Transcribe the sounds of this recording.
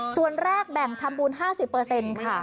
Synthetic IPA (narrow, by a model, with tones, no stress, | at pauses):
su˨˩ənɾɛː˥˩k̚bɛ˨˩ŋt̪ʰa˧mbuː˧nɦaː˥˩si˨˩pːɤː˧se˧nkʰa˥˩